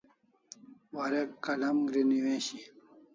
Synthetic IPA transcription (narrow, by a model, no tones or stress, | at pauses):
wɐɾekːɐlɐmɡɾiniwẽːɕi